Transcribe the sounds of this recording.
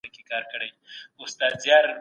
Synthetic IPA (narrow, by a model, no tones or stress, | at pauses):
akekɑːɾkɐɽajʊst̪ɑd̪zjɑɾ